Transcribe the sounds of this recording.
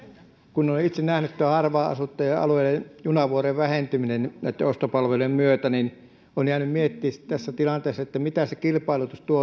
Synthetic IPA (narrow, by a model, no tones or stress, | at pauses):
kunːoːnit̪sennæhnyt̪t̪uæhɑrʋɑːɑ̰sut̪ːejɑɑ̰lueilejjunɑʋuoreʋʋæhent̪yminennæˑit̪ːeost̪opɑlʋeluemmyøt̪ænin | oːnjæːnymmiet̪ːiːsi̥tt̪æsːæt̪ilɑnt̪eːsːɑet̪ːæmit̪æsekilpɑˑilut̪ust̪uo